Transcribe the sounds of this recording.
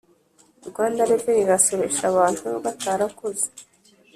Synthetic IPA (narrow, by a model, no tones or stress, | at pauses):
uɾɡwaːndaɾebeniɾaso̞βeʃaβaːn̥huβataːɾakoze̥